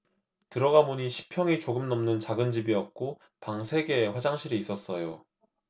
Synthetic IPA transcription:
tɯɾʌɡamoɲiɕʰi̥pʰjʌŋit͡ɕoɡɯmnʌmnɯnt͡ɕaɡɯnd͡ʑibiʌp̚k͈o | paŋsʰe̞ɡe̞ːɸwad͡ʑaŋɕʰiɾiːs͈ʌs͈ʌjo

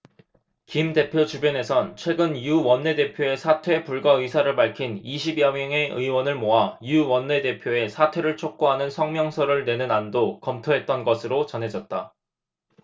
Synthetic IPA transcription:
kimde̞pʰjot͡ɕubjʌne̞sʰʌnt͡ɕʰwe̞ɡɯnjuwʌnːe̞de̞pʰjoe̞sʰatʰwe̞puɭɡaɯisʰaɾɯɭpaɭkʰiniɕʰibijʌŋʌŋe̞ɯ̰iwʌnɯɭmoɦajuwʌnːe̞de̞pʰjoe̞sʰatʰwe̞ɾɯɭt͡ɕʰok̚k͈oɦanɯnsʰʌŋmjʌŋsʰʌɾɯɭne̞nɯnandokʌmtʰoɦe̞t̚t͈ʌnɡʌsʰɯɾot͡ɕʌnɦe̞d͡ʑʌt̚t͈a

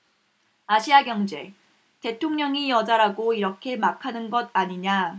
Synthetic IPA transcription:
aɕʰiaɡjʌŋd͡ʑe̞̰ | te̞tʰoŋɲʌŋijʌd͡ʑaɾaɡoiɾʌkʰe̞makʰanɯnɡʌd̚aɲiɲa

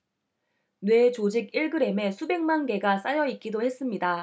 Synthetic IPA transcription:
nwe̞t͡ɕod͡ʑiɡiɭɡɯɾe̞me̞sʰube̞ŋmanɡe̞ɡas͈ajʌit̚k͈idohe̞s͈ɯmɲida

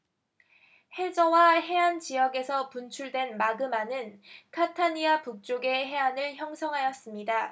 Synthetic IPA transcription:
he̞d͡ʑʌwaɦe̞ant͡ɕijʌɡe̞sʰʌpunt͡ɕʰuɭdwe̞nmaɡɯmanɯnkʰatʰaɲiapuk̚t͡ɕ͈oɡe̞ɦe̞anɯɭçjʌŋsʰʌŋɦajʌs͈ɯmɲida

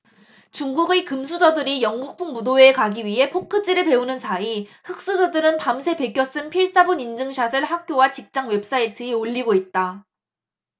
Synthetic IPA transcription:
t͡ɕuŋɡuɡekɯms̬ʰud͡ʑʌdɯɾijʌŋɡuk̚pʰuŋmudoeːkaɡiɥiɦe̞pʰokʰɯd͡ʑ͈iɾɯɭpe̞unɯnsʰaihɯk̚s͈ud͡ʑʌdɯɾɯnpamsʰe̞pe̞k͈jʌs͈ɯnpʰiɭs͈abunind͡ʑɯŋɕʰasʰɯɭɦak̚k͈jowat͡ɕik̚t͡ɕ͈aŋwe̞p̚s͈aitʰɯeoʎːiɡoit̚t͈a

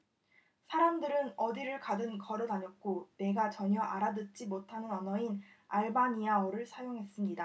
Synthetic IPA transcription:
sʰaɾamdɯɾɯnʌdiɾɯɭkadɯnkʌɾɯdaɲʌk̚k͈one̞ɡat͡ɕʌɲʌʔaɾadɯt̚t͡ɕ͈imotʰanɯnʌnʌinaɭbaɲiaoɾɯɭsʰajoŋɦe̞s͈ɯmɲida

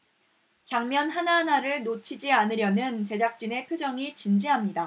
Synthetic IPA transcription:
t͡ɕaŋmjʌnɦananaɾɯɭnot͡ɕʰid͡ʑianɯɾjʌnɯnt͡ɕe̞d͡ʑak̚t͡ɕ͈ine̞pʰjod͡ʑʌŋit͡ɕind͡ʑiɦamɲida

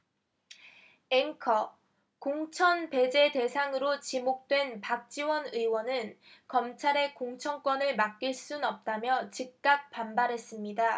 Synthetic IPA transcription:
eŋkʰʌ | koŋt͡ɕʰʌnpe̞d͡ʑe̞de̞sʰaŋɯɾot͡ɕimok̚t͈we̞npak̚t͡ɕ͈iwʌnɯiwʌnɯnkʌmt͡ɕʰaɾe̞koŋt͡ɕʰʌŋk͈wʌnɯɭmak̚k͈iɭs͈unʌp̚t͈amjʌt͡ɕik̚k͈ak̚p͈ambaɾɦe̞s͈ɯmɲida

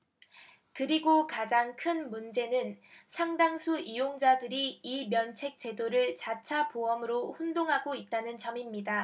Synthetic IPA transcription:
kɯɾiɡokad͡ʑaŋkʰɯnmund͡ʑe̞nɯnsʰaŋdaŋsʰuʔijoŋd͡ʑadɯɾiimjʌnt͡ɕʰe̞k̚t͡ɕ͈e̞doɾɯɭt͡ɕat͡ɕʰapoʌmɯɾoɸundoŋɦaɡoit̚t͈anɯnt͡ɕʌmimɲida

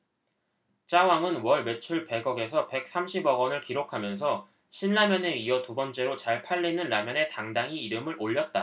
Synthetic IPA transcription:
t͡ɕ͈awaŋɯnwʌɭme̞t͡ɕʰuɭpe̞ɡʌɡe̞sʰʌpe̞k̚s͈amɕʰibʌɡʌnɯɭkiɾokʰamjʌnsʰʌ | ɕʰinːamjʌneiʌtubʌnt͡ɕ͈e̞ɾot͡ɕaɭpʰaʎːinɯnɾamjʌne̞taŋdaŋiːɾɯmɯɾʔoʎːʌt̚t͈a

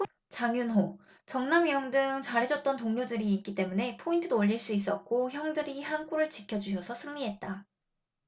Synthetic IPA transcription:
t͡ɕaŋjunɦo | t͡ɕʌŋnamijʌŋdɯŋt͡ɕaɾɦe̞d͡ʑʌt̚t͈ʌntoŋɲodɯɾiːk͈̚it͈e̞mune̞pʰointʰɯdoːʎːiɭs͈uis̬͈ʌt̚k͈oçjʌŋdɯɾihank͈uɾɯɭt͡ɕi̥kʰjʌd͡ʑuɕ̬ʰʌsʰʌsʰɯŋɲiɦe̞t̚t͈a

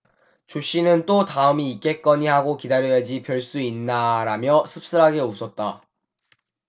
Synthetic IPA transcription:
t͡ɕoɕ͈inɯnt͈otaɯmiːk͈e̞k͈ʌɲihaɡokidaɾjʌed͡ʑipjʌɭs͈uinːaɾamjʌsʰɯp̚s͈ɯɾɦaɡe̞usʰʌt̚t͈a

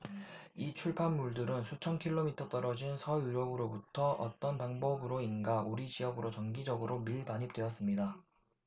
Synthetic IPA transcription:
it͡ɕʰuɭpʰanmuɭdɯɾɯnsʰut͡ɕʰʌnkʰiɭːomitʰʌt͈ʌɾʌd͡ʑinsʰʌjuɾjʌɡɯɾobutʰʌʔʌt͈ʌnpaŋbʌbɯɾoinɡauɾid͡ʑiɦʌɡɯɾot͡ɕʌnɡid͡ʑʌɡɯɾomiɭbaɲɦip̚t͈weʌs͈ɯmɲida

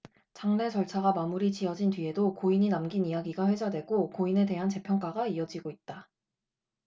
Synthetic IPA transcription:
t͡ɕaŋne̞t͡ɕʌɭt͡ɕʰaɡamamuɾit͡ɕiʌd͡ʑintɥie̞dokoiɲinamɡinijaɡiɡaɸwe̞d͡ʑadwe̞ɡokoine̞de̞ɦant͡ɕe̞pʰjʌŋk͈aɡaiʌd͡ʑiɡoit̚t͈a

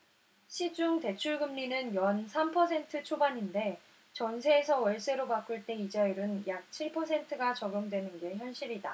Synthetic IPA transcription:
ɕʰid͡ʑuŋte̞t͡ɕʰuɭɡɯmɲinɯnjʌnsʰampʰʌsʰe̞ntʰɯt͡ɕʰobaɲinde̞ | t͡ɕʌnsʰe̞ːsʰʌwʌɭs͈e̞ɾopak͈ɯɭt͈e̞id͡ʑajɾɯnjak̚t͡ɕʰiɭpʰʌsʰe̞ntʰɯɡat͡ɕʌɡɯmdwe̞nɯnɡe̞çjʌnɕ͈iɾida

